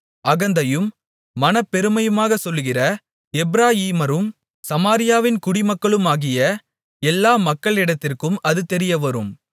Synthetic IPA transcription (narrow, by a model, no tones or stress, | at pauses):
ʔɐɣɐnd̪ɐjɯmː | ɐnɐpːɛɾɯmɐjɯmaːɣɐsɔlːɣɪrɐ | ɛbɾaːjiːmɐɾɯm | sɐmaːɾɪjaːʋɪnkʊɽɪmɐkːɐɭɯmaːɣɪjɐ | ɛlːaːmɐkːɐɭɪɽɐt̪ːɪrkɯmɐðɯt̪ɛɾɪjɐʋɐɾɯm